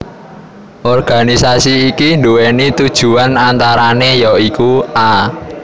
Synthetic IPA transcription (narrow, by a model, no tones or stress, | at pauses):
ʔɔrɡ̥a̤nisasiːkiɳdowenit̪ud̥ʒ̥ṳanant̪aɾanejɔikuʔa